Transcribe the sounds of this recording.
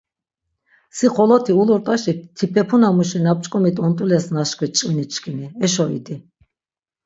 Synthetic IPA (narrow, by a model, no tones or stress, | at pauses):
siχɔlɔt̪ʰiulɔɾt̪ʼaʃit̪ʰipʰɛpʰunamuʃinap̚t͡ʃʼkʼɔmit̪ʼɔnt̪ʼulɛsnaʃkʰʼit͡ʃʼinit͡ʃʼkʰʼiniɛʃɔḭd̪i